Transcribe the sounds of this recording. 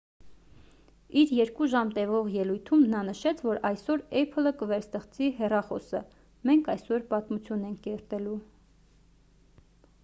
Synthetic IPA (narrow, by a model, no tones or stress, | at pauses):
iɾjɛɾkuʒɑmt̪ɛvɔʁjɛlujt̪ʰumnɑnəʃɛt͡sʰvɔɾɑjsɔɾɛpʰələkəvɛɾst̪ɛχt͡siɦɛrɑχɔ̰sə̰ | mɛŋkʰɑjsɔɾpɑt̪mut͡sʰjunɛŋkʰkɛɾt̪ɛlu